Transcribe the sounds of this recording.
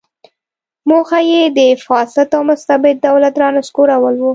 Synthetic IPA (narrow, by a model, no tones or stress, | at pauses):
moxajed̪əfɑsat̪awmʊst̪abɪd̪̚ːawlat̪ɾɑnaskoɾawəlwu